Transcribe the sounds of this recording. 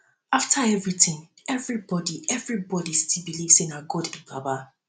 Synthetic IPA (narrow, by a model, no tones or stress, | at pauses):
aftʰaɛvɹitʰɪ̃ŋ | ɛvɹibɔdiɛvɹibɔdistʰilbiliv̥sẽnaɡɔdĩbaba